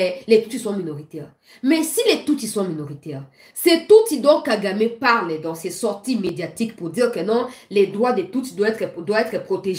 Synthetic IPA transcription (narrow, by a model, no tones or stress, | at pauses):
ɛlet̪ut̪isɔ̃minoʁit̪ɛʁ | mɛsilet̪ut̪isɔ̃minoʁit̪ɛʁ | sɛt̪ut̪id̪ɔ̃kaɡamẽpaʁld̪ɑ̃sɛsɔʁt̪imed̪jat̪ikpuʁd̪iʁkənɔ̃lɛd̪ʁwad̪et̪ut̪d̪waɛt̪χɛd̪waɛt̪χɛpχot̪eʒ